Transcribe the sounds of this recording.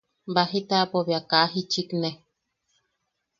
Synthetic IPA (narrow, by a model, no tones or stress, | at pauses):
baɦit̪apoβjakaɦit͡ʃikne